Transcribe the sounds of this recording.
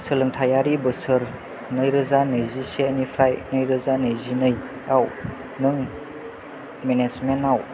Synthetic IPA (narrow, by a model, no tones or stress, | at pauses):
sɯlɯŋtʰajaɾibɯsɯɾ | nɯjɾɯzanɯjziseənipʰɾajnɯjɾɯzanɯjzinɯj | aw | nɯŋ | menezmenaw